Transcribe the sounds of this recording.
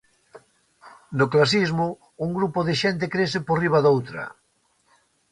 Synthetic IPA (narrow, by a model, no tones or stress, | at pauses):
nʊklas̬izmʊ | uŋɡɾupʊðɪʃent̪ɪkɾesɪporiβ̞aðowt̪ɾɐ̰